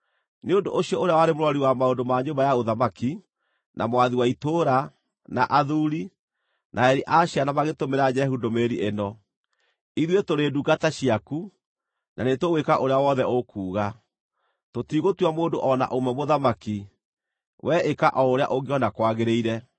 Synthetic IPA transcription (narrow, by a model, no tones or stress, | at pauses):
neondoʔoɕiɔʔoɾeawaɾemoɾɔɾiwamaondomaɲombajaoðamaki | nʔamwaðiwaitoɾa | na̰ʔaðuɾi | nʔaɛɾiʔaɕianamaɣetomeɾad͡ʑɛhudomeɾiʔenɔ | iðwetoɾeduːɡataɕiaku | nanetowekaʔoɾeawɔðɛokuːɣa | totiːɣotuamoːndoʔɔna̰ʔomɛmoðamaki | wʔɛʔekaʔɔoɾea̰ʔoɡeɔnakwaɣeɾeiɾɛ